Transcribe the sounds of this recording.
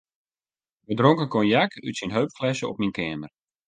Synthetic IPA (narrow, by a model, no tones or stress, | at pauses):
ʋədroŋkəkɔnjakʰytsinɦøɥpflɛsəɔ̰p̚minkɛːmər